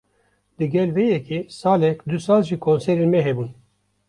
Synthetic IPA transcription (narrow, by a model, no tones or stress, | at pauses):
d̪̥ɨɡɛlvɛjɛkʰeːsɑːlɛkd̪usaːlʒikʰonsɛɾenmɛɦɛbuːn